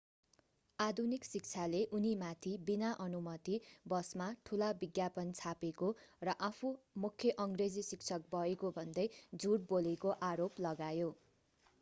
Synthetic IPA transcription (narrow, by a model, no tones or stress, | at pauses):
ad̪ʱuniksik̚t͡sʰaleʔunimat̪ʰibinaʔʌnumʌt̪ibʌsmaʈʰulabiɡjapʌnt͡sʰapekorʌʔapʰumukʰːjʌʔʌŋɡred͡zisikt͡sʰʌk̚bʌekobʱʌnd̪ʌjd͡zuɽbolekoʔaɾoplʌɡajo